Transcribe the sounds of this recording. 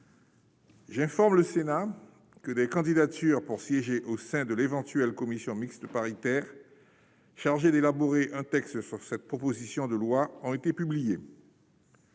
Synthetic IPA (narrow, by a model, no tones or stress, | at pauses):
ʒɛ̃fɔʁmləsena | kəd̪ɛkɑ̃d̪id̪at̪yːʁpuʁsjeʒeʔosɛ̃d̪əlevɑ̃t̪ɥɛlkɔmisjɔ̃mikst̪əpaʁit̪ɛːʁ | ʃaʁʒed̪elaboʁeʔɛ̃t̪ɛkst̪syʁsɛt̪̚pχɔpozisjɔ̃d̪əlwaɔ̃et̪epyblije